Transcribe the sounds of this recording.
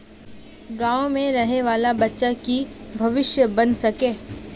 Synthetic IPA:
ɡãːomẽɾɐɦneʋaːlabɐtːʃakibʱɐʋɪʃjəbɐnsɐkeː

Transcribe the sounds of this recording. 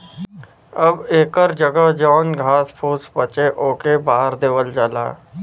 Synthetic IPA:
əbeːkəɾd͡ʒəɡəɦd͡ʒɔːnɡʱaːspʰuːspət͡ʃeʔoːkebaːəɾd̪eːʋəld͡ʒaːla̰ː

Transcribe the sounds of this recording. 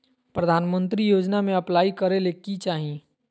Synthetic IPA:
pɾəd̪ʱaːnmə̃nt̪ɾijoːd͡ʒnamẽɐplaːikəɾelekit͡ʃaːɦĩ

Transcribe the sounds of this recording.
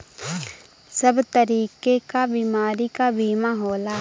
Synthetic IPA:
səbt̪əɾiːkekabiːmaːɾikabiːmaɦoːlaː

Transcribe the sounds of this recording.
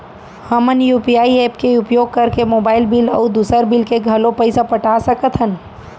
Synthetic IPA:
həmənjuːpijaːieːpkeʊpjoːɡ̚kəɾkemoːbaːɪlbɪlɔ̰ʊd̪uːsəɾbɪlkeɡʱɐlõpəɪsapəʈasəkət̪ʰɦən

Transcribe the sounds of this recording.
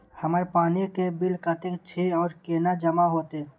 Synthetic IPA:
hɐmaːɾepaːnikebɪlkat̪ɪkt͡ʃʰeːɔːɾkeːnad͡ʒɐmaɦoːt̪eɛ

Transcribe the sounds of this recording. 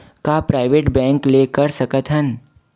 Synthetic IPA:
kapɾaːɪʋeːʈbɛ̃ːŋkleːkəɾsɐkət̪ɦən

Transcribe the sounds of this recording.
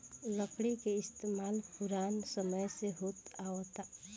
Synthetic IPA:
ləkɽikeɪst̪emalpuɾansəməjseɦot̪aot̪a

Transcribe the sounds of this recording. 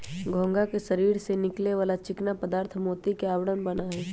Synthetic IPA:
ɡʱõːŋɡakeʃɐɾiːɾsenɪkleʋaːlat͡ʃɪknapəd̪aːɾt̪ʰmoːt̪ikeaːwɽənbɐnaɦɛː

